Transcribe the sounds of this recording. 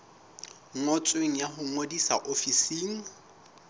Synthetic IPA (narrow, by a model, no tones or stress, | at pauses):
ŋ̩ot͡sʼweŋ̩jaɦʊŋodisa̰ʔofisiːŋ̩